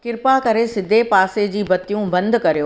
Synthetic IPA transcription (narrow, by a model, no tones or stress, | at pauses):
kɪɾpakɐɾesɪd̪ʱepaːsed͡ʑiːbɐt̪ijũbɐ̃nd̪ʱkɐɾijoː